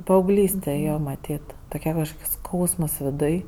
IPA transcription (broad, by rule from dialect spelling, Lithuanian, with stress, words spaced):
pɐɐʊˈɡlʲiːsʲtʲɛ ˈjoː mɐˈtʲiːt toːˈkʲɛ kɐʃˈkoːks ˈskɐʊsmɐs ʋʲɪˈdʊj